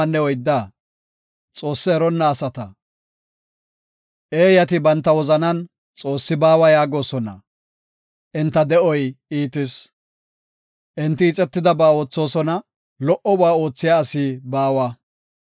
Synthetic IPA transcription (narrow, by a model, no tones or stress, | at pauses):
nːɛwɔjd̪ːa | t͡sʼo̞ːsːɪɛɾɔnːɐːsɐt̪ɐ | ʔeːjɐt̪ɪbɐnt̪ːɐwɔzɐnɐn | t͡sʼo̞ːsːɪbaːwɐjaːɡo̞ːsɔnɐ̰ | ʔɛnt̪ːɐd̪ɛʔɔjiːt̪ɪs | ʔɛnt̪ːɪːt͡sʼɛt̪ːɪd̪ɐbaːo̞ːt͡sːo̞ːsɔnɐ | lɔʔɔbaːo̞ːt͡sːɪjaːsiːbaːwɐ